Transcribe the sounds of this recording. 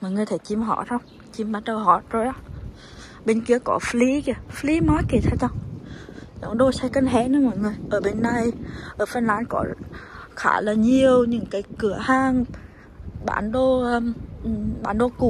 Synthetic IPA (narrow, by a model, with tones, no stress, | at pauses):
mɔ˨˩jŋɨ˨˩əjt̪ʰe˧˩t͡ɕi˧˩mɦɔ̰˧˩˨t̪ʰə˧wŋ͡m | t͡ɕi˧˩mɓaː˨˦t͡ɕə˧wɦɔ˧˩zo˧˩jɔ˨˦ | ɓe˧nki˨˦əkɔ˧˦fli˨˦ki˧˩fli˨˦mɔː˨˦jki˧˩t̪ʰa˧˦t͡ɕa˧wŋ͡m | zɔ̰˧˩˦ŋɗo˧sa˧kə˧nɦɛ˧˦˥nɨ˧˦mɔː˧˨jŋɨ˨˩əjʔəː˧˩ɓe˧nːa˧jʔəː˧˩fə˧nlaː˨˧˦nkɔ˧˦xa̰ː˧˩jlaː˨˩ɲi˨˩əwɲɨ̰˧˥˦ŋkaː˨˦jkɨ˧˩əhaː˧ŋ | ɓa̰ː˧˩nɗo˧ʔəː˧˨˩ | ɓaː˧˩˨nɗo˧ku˨˧˩